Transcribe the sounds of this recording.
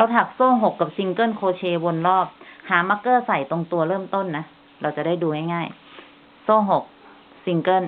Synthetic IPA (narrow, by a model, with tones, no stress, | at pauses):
ɾa˧wt̪ʰaː˨˩k̚soː˥˩ɦo˨˩kːa˨˩p̚si˧ŋkɤ˥˩nkʰoː˧t͡ɕʰeː˧bo˧nɾɔː˥˩p̚haː˩˦maː˧˥kːɤː˥˩sa˨˩jt̪o˧ŋt̪u˧ɐɾɤː˥˩mt̪o˥˩nːa˦˥ | ɾa˧wt͡ɕa˨˩daː˥˩jduː˧ŋa˥˩jŋaː˥˩j | soː˥˩ɦo˨˩k̚ | si˧ŋkɤ˥˩n